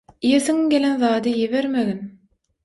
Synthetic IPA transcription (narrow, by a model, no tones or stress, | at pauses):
ijeθiŋɡʲe̞lenðɑːd̪ɯjeβeɾmeɣin